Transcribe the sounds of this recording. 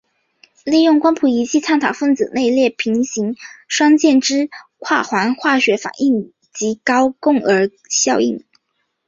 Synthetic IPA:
li˥˧jʊ˥˩ŋkwa˥npʰu˧˩i˧˥t͡ɕʰi˥˧t͡sʰa˥˩nt̪ʰa˨˩ʊfə˥˩nt͡sɹ̩˨˩ne˥˧ɪljɛ˥˩pʰi˧˥ŋɕi˧˥ŋʂwɑ˥ŋt͡ɕjɛ˥˩nʈ͡ʂɻ̩˥kʰwa˥˩xwa˧˥nxwa˥˩ɕɥɛ˧˥fa̰˨˩ni˥˩ŋ | t͡ɕi˧˥kɑ˥ʊkʊ˥˩ŋə˞˧˥ | ɕjɑ˥˧ʊḭ˥˩ŋ

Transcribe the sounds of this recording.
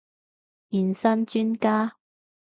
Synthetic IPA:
ji˨˩nsɐ˥nt͡ʃyː˥nkaː˥

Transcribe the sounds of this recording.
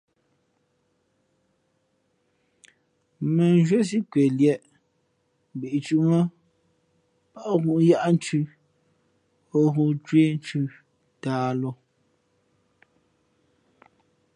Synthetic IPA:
mɛ˨n˦ʒɥe˦s̬i˦kɥe˨ljɛ˦ʔ | m˨bi˨ʔt͡ʃu˨ʔŋə˦ | pa˦ʔɣu˦˨ʔja˦ʔn̩˦t͡ʃʉ˦ | o˦ɣu˦t͡ʃwe˦n̩˦t͡ʃʉ˦ | taː˦lɔ˦

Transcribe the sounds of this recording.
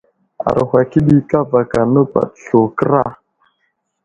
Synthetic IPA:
a̰˨ɾhʷa˨ki˦ɗi˦ka˦va˨ka˨nə˦pa̰˨tɬo˨kə˦ɾa˦˨

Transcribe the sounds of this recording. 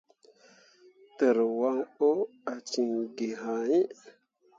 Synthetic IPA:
tə˨ɾwa˦ŋo˦a˨t͡ʃi˨ŋɡi˨ɦa˨i˦

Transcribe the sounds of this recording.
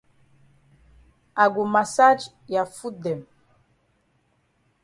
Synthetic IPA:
a˨ɡo˨ma˨sa˦d͡ʒ | ja˨fu˦dɛ˨m

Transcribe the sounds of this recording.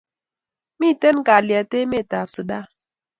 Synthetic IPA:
mi˦˨te˦nɡa˨li˨a˨te˦me˦˨ta˨psɨ˨ɗa˦

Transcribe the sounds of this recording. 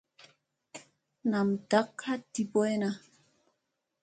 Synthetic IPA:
na˨mda˨˦kha˦ti˨po˦e˦na˦

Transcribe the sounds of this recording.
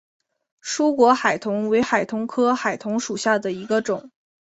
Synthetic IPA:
ʂu˥kwɔ˧˥xa˨˩ɪt̪ʰʊ˧˥ŋwe˧˥ɪxa˨˩ɪt̪ʰʊ˧˥ŋkʰɤ˥xa˨˩ɪt̪ʰʊ˧˥ŋʂu˨˩ɕja˥˩d̪ə˩i˧˥ɡə˧ʈ͡ʂʊ˨˩˦ŋ

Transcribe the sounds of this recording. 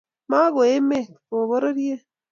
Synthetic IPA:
ma˦ɣo˨e˦me˦ko˨βo˦ɾo˦ɾje˦

